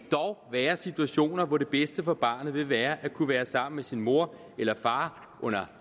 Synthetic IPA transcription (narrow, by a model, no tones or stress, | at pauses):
d̥ɒʊʋæːɐsit͡sʰuæɕo̝̰ːnɐʋɒɾe̝b̥esd̥əfɒ̽b̥ɑ̈ːnð̩ˠʋe̝ʋæːɐʔækʰuʋæːɐsɑ̈m̰n̩mesinmo̝ɐ̰ | elɐfɑ̈ː | ʔɔ̽n̰ɐ